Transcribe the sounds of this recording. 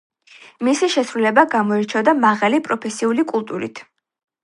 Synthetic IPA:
misiʃɛsɾulɛbaɡamɔɛɾt͡ʃʰɔd̪amaʁalipʼɾɔpʰɛsiulikʼulˠt̪ʼuɾḭt̪ʰ

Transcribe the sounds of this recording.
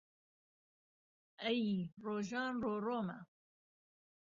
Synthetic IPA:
ɛjiroːʒɑːnroːroːmɐ̰

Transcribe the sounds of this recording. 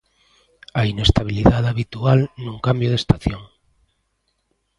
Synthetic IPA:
ainest̪aβ̞iliðaðaβit̪ualnũŋkambjoð̞est̪aθjoŋ

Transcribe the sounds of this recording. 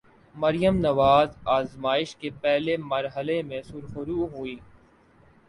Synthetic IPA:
mɐɾijəmnɐʋaːzaːzmaːɪʃkepɛɦlemɐɾɦəlemẽsuɾxʊɾuːɦuiː

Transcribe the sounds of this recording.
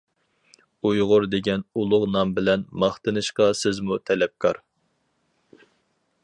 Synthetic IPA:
ujʁʊɾd̪eɡʲɛnulˠʊqnɑmbɪlɛnmɑχt̪ɨnɨʃqɑsɪzmut̪ʰɛlɛp̚kʰɑɾ

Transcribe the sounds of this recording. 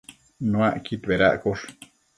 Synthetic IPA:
nũaʔkit̪βeɾa̰ʔkoʂ

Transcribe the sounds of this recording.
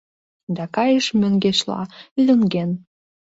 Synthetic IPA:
d̪ɑkɑjəʃmøŋɡeʃlɑ̰yləŋɡen

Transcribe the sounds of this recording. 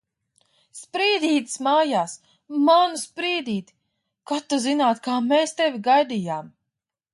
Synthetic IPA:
spɾiːd̪iːt̪smaːjaːs | manuspɾiːd̪iːt̪i̥ | kat̪ːuzinaːt̪kaːmeːst̪eviɡajd̪ijaːm

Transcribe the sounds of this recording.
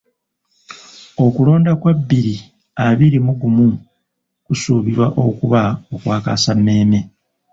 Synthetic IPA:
o̞kulo̞ːndakwabːiɾi | aβiɾimuɡumu | kusuːβiɾwaʔo̞kuβaokwaːka̰samːe̞ːme̞

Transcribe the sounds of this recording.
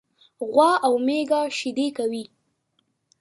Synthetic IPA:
ɣwɑawmeɡaʃid̪ekawi

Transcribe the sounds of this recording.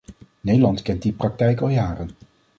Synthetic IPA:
nejdəlɑntkɛnt̚diprɑk̚tɛjkɑlˠjaːrən

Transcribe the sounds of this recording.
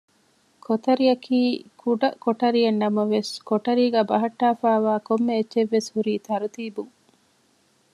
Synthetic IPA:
kʰot̪ɐɾiɐkʰiːkʰuɖɐkoʈɐɾiɐnːɐmɐʋeskoʈɐɾiːɡæːbɐɦɐʈːaːfaːʋaːkomːeːtːʃeʋːeshuɾiːt̪ɐɾut̪iːbuŋ

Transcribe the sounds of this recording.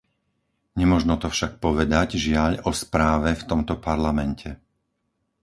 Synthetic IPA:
ɲɛmʊɔʒnɔt̪ɔfʃak̚pɔʋɛd̪aɟʒɪaʎɔspɾaːʋɛft̪ɔmt̪ɔpaɾlamɛncʰɛ

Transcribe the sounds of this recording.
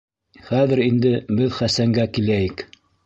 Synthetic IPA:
χæðɘɾind̪ɘbɘðχæsæŋɡækilæjɘk

